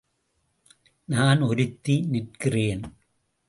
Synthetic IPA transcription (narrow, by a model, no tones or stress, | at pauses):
naːnɔɾɯt̪ːinɪʈkɪreːn